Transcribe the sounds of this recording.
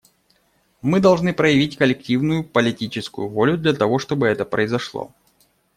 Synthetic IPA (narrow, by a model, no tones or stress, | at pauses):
mɨd̪ɐlˠʐnɨpɾəjɪvʲitʲkəlʲɪk̚tʲivnʊjʊpəlʲɪtʲit͡ɕɪskʊjʊvo̞lʲʊd̪lʲɐt̪ɐvo̞ʂt̪o̞bɨɛt̪əpɾəɪzɐʂlˠo̰